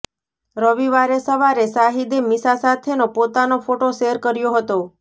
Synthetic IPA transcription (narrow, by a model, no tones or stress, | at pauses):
ɾəʋiʋaɾesəʋaɾesaɦid̪emisasat̪ʰenopot̪anofoʈoʃeɾkəɾjoɦət̪o